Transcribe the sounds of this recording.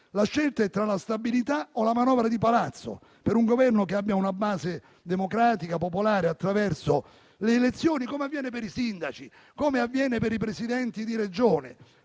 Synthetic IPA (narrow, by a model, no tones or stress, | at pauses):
laʃːɛlt̪aɛt̪ːɾalast̪abilit̪aolamanɔːvɾad̪ipalat̪sːo̰ | peɾuŋɡovɛrnokeabːjaunabaːze | d̪emokɾaːt̪ikapopolaːɾeat̪ːɾavɛrso | leːlet̪sːjoːnikoːmeavːjɛːnepeɾisind̪at͡ʃi | koːmeavːjɛːnepeɾipɾesid̪ɛnt̪id̪iɾed͡ʒoːnɪ̰